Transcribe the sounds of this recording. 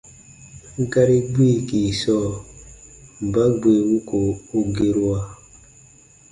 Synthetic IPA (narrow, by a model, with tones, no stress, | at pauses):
ŋ̩˦ka˦ɾi˦ɡ͡bi˦˨ki˨sɔ˦˨ | m˨ba˦ɡ͡bwe˨wu˦ko˨o˦ɡe˦ɾu˦a˦˨